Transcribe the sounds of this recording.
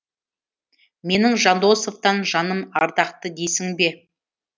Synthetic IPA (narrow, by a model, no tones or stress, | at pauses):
me̞nɪŋʒɑnd̪o̞so̞vt̪ɑnʒɑnəmɑɾd̪ɑqt̪əd̪e̞sɪŋbe̞